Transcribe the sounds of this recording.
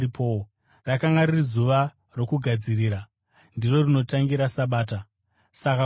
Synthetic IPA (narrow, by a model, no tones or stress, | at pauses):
ipʰo | rakaŋɡaɾirizuʋa | ro̞kuɡʱad͡ziriːɾa | ndiro̞rino̞taŋɡiɾasaɓaːta | saka